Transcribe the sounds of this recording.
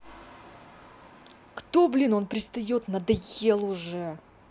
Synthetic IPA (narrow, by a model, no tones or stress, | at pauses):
kt̪oblʲino̞npɾʲɪst̪ɐjo̞t̪nɐd̪ɐjelˠʊʐɛ